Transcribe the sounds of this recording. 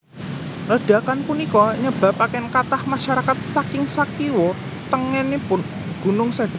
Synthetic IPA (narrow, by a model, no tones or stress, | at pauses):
ləɖ̥a̤kanpunikɔɲəb̥a̤pakɛnkat̪ahmaʃaɾakat̪̚sakɪŋsakiwɔ | t̪əŋɛnepʊn | ɡ̥ṳnʊŋsad